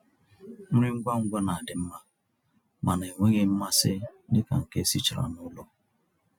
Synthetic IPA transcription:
m̩˦ɾɪ˦ŋ̩˦ɡʷa˦ŋ̩˦ɡʷa˦na˨a˨dɪ˨m̩˦ma˦ | ma˨na˨e˨ŋʷe˦ŋe˦m̩˦ma˦sɪ˦dɪ˦ka̰˨ŋ̩˨ke˦si˦t͡ʃɾa̰˨nʊ˦lɔ˦

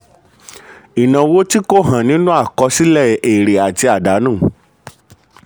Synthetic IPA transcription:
i˨nã˨wo˦ti˦ko˦˨ɦã˨nĩ˦nũ˦a˦˨kɔ˧si˦lɛ˦˨e˨ɾe˨a˨ti˧a˨da˨˦nũ˦˨

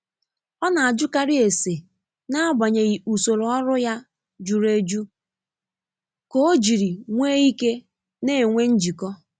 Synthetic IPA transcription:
ɔ˦na˨a˨d͡ʒʊ˦ka˦ɾi˦e˨se˨ | na˦ba˨ɲe˨ɣi˨u˨so˨ɾo˨ɔ˦ɾʊ˦ja˦ | d͡ʒu˨ɾe˦d͡ʒu˦ | ko˦o˦d͡ʒi˨ɾi˨ŋʷe˦i˦ke˦ | ne˦˨ŋʷe˦n̩˦d͡ʒi˨kɔ˦

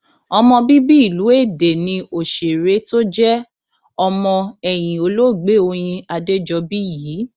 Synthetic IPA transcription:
ɔ˧mɔ̃˧bi˦bi˦i˦˨lu˨˦e˦˨de˨nĩ˧o˨ʃe˨ɾe˨˦to˦d͡ʒɛ˦ | ɔ˧mɔ̃˧ɛ˨j̃ĩ˨o˨˧˦lo˦˨ɡ͡be˨˦˨o˧j̃ĩ˧a˧de˦d͡ʒɔ˧bi˦jiː˨˦

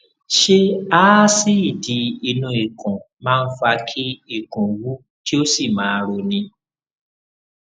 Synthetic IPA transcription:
ʃe˦aː˦si˦i˦˨di˨˧i˧nũ˧i˨kʰɔ̃˨ | mãː˦˧n̩˦fa˧kʰi˦i˦˨kũ˨wu˦ | ti˦o˦si˦˨mãː˨˦˧ɾo˧nĩ˧

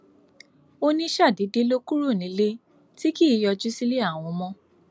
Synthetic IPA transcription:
o˦nĩ˦ʃa˦˨di˨˦de˦lo˦ku˦ɾu˦˨nĩ˨˦le˦ | ti˦ki˦˨jɔ˧d͡ʒu˦si˦le˦a˦˨w̃ɔ̃˧mɔ̃˧

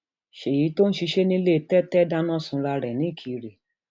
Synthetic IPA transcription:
ʃe˨ji˨˦to˦n̩˦ʃi˧ʃe˦nĩ˦le˦˨tɛ˦tɛ˦da˦nã˦˨sũ˧ɾa˧ɾɛ˨nĩ˨˦˨kʰi˨˧ɾe˨

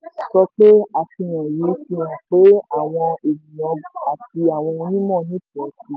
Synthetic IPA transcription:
sɔ˧k͡pe˦a˨ti˧j̃ã˨ji˨˦ti˧w̃ã˨k͡pe˦a˨w̃ɔ̃˧e˨mĩ˨jã˨˦˨a˨ti˧a˨w̃ɔ̃˧ɔ̃˧nĩ˦mɔ̃˦˨nĩ˨˦tɛ˨˦si˧

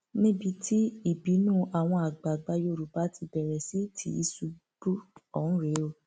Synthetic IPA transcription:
nĩ˦bi˧˦tʰi˦i˦˨bi˨˦nũ˦˨ʔa˨w̃ɔ̃˧a˨ɡ͡ba˨ɡ͡ba˨˦jo˧˨ɾu˨ba˨˦ti˧bɛ˨ɾɛ˨si˨˦tʰḭ˨˦i˧su˧ | b̥u˦ɔ˦˨ñ̩˦ɾe˨˦o˧

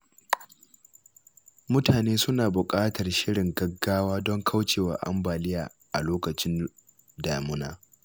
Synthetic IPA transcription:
mʊ˦taː˨neː˦sʊ˦naː˨bʊ˨kʼaː˦tɐ˨rʃɪ˦ɽɪ˨ŋɡɐ˦ɡːaː˦waː˦dɔ˦ŋkʰa˦wt͡ʃeː˨wa̰ː˨ʔa̰˦mbaː˨lɪ˦jaː˨ | ʔa˨loː˦kɐ˨t͡ʃɪ˦n | daː˨mʊ˦naː˦

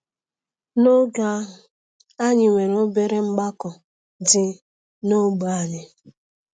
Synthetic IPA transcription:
no˦ɡa˦ɦʊ˨ | a˦ɲɪ˨ŋʷe˨ɾo˦be˦ɾe˦ŋ͡m̩˦ɡ͡ba˦kɔ˨ | dɪ˨ | no˦ɡ͡ba˨ɲɪ˨

